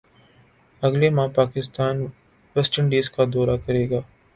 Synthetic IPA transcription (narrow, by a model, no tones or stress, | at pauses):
ɐɡlemãːpaːkɪst̪aːn | ʋeːsʈəɳɖiːskad̪ɔːɾakɐɾeːɡaː